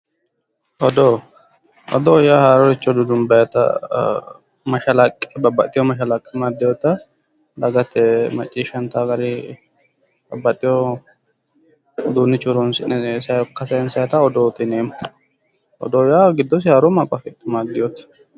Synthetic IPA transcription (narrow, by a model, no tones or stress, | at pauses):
ʔɔd̪o | ɔ̰d̪ojaːhaːɾɔɾɪt͡ʃʼːɔd̪ʊd̪ʊnbɐjɐt̪ɐ̰ | mɐʃɐlɐkʼːɛbɐbːɐt̪ʼːɪjɔmɐʃɐlɐkʼːɛmaːd̪ːɪjɔt̪ːɐ | d̪ɐɡɐt̪ːɛmɐ̰t͡ʃʼːiːʃɐnt̪aːɡɐɾɪ | bɐbːɐt̪ʼːɪjɔ | d̪uːnːɪt͡ʃʼʊɾɔnsɪnɛsɐjɔkːɐsɐjɛnsɐjɐt̪ɐɔd̪oːt̪ɪneːmɐ | ʔɔ̰d̪oːjaːɡɪd̪ːɔs̬ɪhaːɾɔmakʼɐfɛt̪ʼːɪmaːd̪ɪjot̪ɐ̥